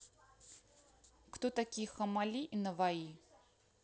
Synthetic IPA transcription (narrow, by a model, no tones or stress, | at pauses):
kt̪ot̪akʲijxamalʲiʔinɐvai